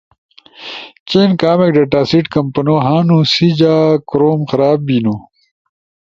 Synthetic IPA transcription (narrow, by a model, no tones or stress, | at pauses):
t͡ɕeːnkaːmekɖeʈaːsiʈkɐmpɐnoːɦaːnũsid͡ʑaːkɾoːmxɐɾaːbbinu